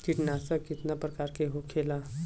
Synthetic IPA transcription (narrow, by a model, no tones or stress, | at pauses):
kɪʈnaːsəkɪt̪napɾəkaːɾkeɦokʰela